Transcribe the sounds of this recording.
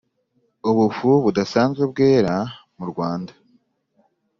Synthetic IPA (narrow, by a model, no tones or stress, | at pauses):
uβufuβudasaːnzɡweb̚ɡe̞ːɾamuɾɡwaːndḁ